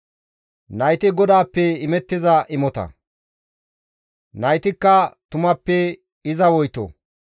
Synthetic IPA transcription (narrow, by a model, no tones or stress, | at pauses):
nɐjt̪ɪɡɔd̪aːpːɛɪmɛt̪ːɪzɐʔɪmɔt̪ɐ̰ | nɐjt̪ɪkːɐt̪ʊmɐpːɛ | ɪzɐwɔjt̪ɔ̰